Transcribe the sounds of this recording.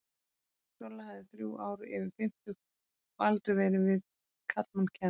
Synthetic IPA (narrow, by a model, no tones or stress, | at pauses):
sɔlːahaðɪθɾjṵːʔaːwɾʏɪvɪɾfɪm̥t̪ʏx | ɔalt̪ɾɛjvɛːɾɪvɪð | kʰat̪mancʰɛ